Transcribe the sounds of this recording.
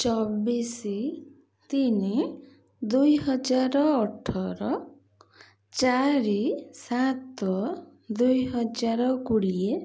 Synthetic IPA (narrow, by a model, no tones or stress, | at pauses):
t͡ʃɔbisi | t̪ini | d̪ujɦɔd͡ʒaɾɔːʈʰɔɾɔ | t͡ʃaɾisat̪ɔ | d̪ujɦɔd͡ʒaɾɔkuɽie